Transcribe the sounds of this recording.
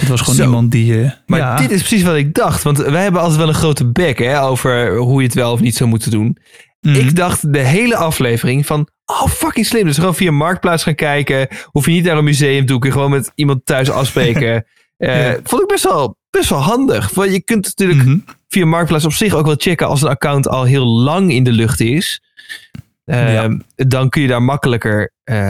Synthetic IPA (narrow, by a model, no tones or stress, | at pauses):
ɪtʋɑsonsmɑntdimaːɹdɪtɪsprəsis̬ʋɑtɪɡ̚dɑχtʋɑntʋɛjɦɛbənɑlˠtɛtʋɛlˠənχrowtəbɛkɦɛowvəɹɦujətʋɛlˠɔfnitsawmutədun | ɪɡdɑχtdəɦejləʔɑflejvərɪŋfɑn | ʔowfɑkɪŋslɪmdøsχəʋownfiaənmɑɹk̚plaːsχaːnkɛjkəufjənitnaːrəmyzejəmtukøjəχəʋoːnmɛtimɑntœɥsɑ̰fsprejkə | fontɪɡ̚bɛstʋɛlˠb̥ɛstʋɛlˠɦɑndəχɑjəkɵntnatyːɹləkfiamɑɹk̚plaːs̬ɔpsɪχowkʋɛlˠt͡ʃɛkəɑ̰lˠs̬ənakawntɑ̰lˠɦɪːlˠlɑŋɪndəlʏχtɪs | ədɑnkɵnjədaːɹmɑkələkəɹ | ə